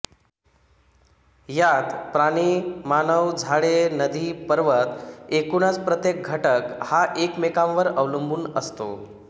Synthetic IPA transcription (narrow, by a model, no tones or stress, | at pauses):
jat̪pɾaɽ̃iːmanəwd͡zʱaɭenəd̪ʱiːpəɾʋət̪ekunat͡spɾət̪jek̚ɡʱəʈəkhaʔekmekãʋʋəɾəʋləmbuːnəst̪o̰